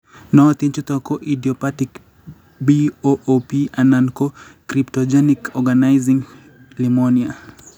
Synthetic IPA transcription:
nɔt̪int͡ʃut̪ɔkoʔidiɔpatik | bioʔopianankokɾiptod͡ʒenikʰɔɡanajziŋ | limonia

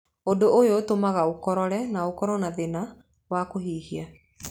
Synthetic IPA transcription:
odoʔojotomaɣaokɔɾɔɾɛnaokɔɾɔnaðena | wakohiːhia

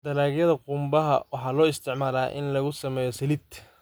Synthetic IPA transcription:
d̪̥ɐlaːɣjɐðɐqʊmbɐɦɐ̰wɑħɑlɔːɪst̪ʰɪʕmaːlaːʔɪ̰nlɐɣʊsɐmɛːjɔsɐlɪt̪ʰ

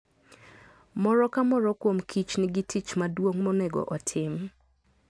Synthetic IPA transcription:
mɔɾɔkamɔɾɔkwomkʰit͡ʃnɪɡitʰit͡ʃmadwoŋmonɛɡɔ̰ʔɔtʰɪm

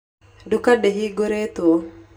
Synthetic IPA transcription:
dukadeɦiɡuɾet̪u

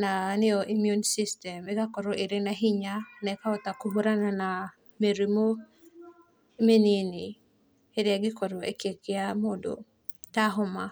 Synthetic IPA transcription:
nanɪɔʔimjunsistɛmɛɡakɔɾoʔeɾenaɦɪɲanɛkaɔt̪akuɦuɾanana | meɾimo | meninɪ | eɾɪaɡɪkɔɾɔekekɪamodo̰ | taɦɔma

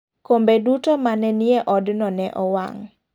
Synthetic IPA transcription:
kombedutomanɛnieʔɔdnɔnɛʔɔwa̰ŋ

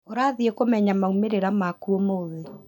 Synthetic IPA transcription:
oɾaðiekomɛɲamaumeɾeɾamakuomoːðe

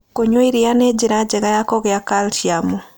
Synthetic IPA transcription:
koɲoiɾianed͡ʒiɾad͡ʒɛɣajakɔɣeakaltiamu

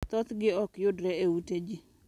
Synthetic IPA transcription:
t̪ɔt̪ɡɪɔkjʊdɾɛeuted͡ʒi

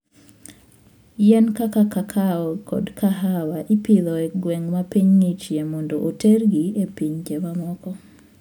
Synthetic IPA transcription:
jɛnkakakakʰaɔkʰɔ̰dkʰaɦawaʔipiðɔeɡweŋmapiɲŋit͡ʃjemondoʔoterɡiepiɲd͡ʒemamɔkɔ

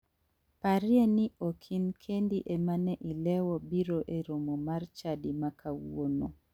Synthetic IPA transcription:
paɾjeniokʰinkʰendiʔemanɛʔilɛwɔbiɾoʔeɾomomart͡ʃadimakʰawono

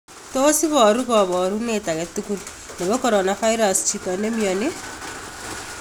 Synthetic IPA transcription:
toːsiβɔɾukɔβɔːɾunetaɣetukun | neβɔkɔɾonafaiɾast͡ʃitɔnemioni

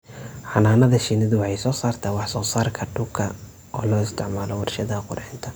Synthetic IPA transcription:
ħɑnaːnɐðɐʃɪnɪðʊwħɑjsɔːsaːrt̪ʰɐwɑħsɔːsaːrkʰɐɖʊkʰɐ | ɔːlɔːɪst̪ʰɪʕmaːlɔwɑrʃɐðɐqʊɾħɪnt̪ʰɐ

